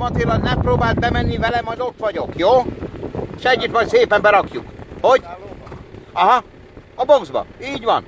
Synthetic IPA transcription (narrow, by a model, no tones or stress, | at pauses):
mɒt̪elːɒnnɛmproːbaːld̪̚bɛmɛnːivɛlɛmɒjd̪o̞t̪ʋɒɟo̞kjoː | eʃɛɟːyt̪mɒjt̪seːpɛmbɛɾɒkjukho̞ɟ | ɒɦɒ | ɒboɡzbɒ̰iːɟʋɒn